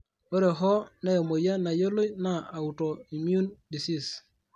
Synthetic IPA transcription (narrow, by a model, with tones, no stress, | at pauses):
o˦ɾe˨ɦɔ˦nɛ˦jɔ˨mo˨ja˦na˨jo˦lo˦jna˨a˨u˨to˨i˨mju˦ndi˨si˦˨s